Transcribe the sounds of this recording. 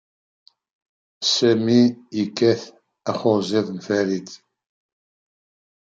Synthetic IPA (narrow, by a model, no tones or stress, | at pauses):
sæmiːkːæθ | æχʊɾzɪðnfæɾit̪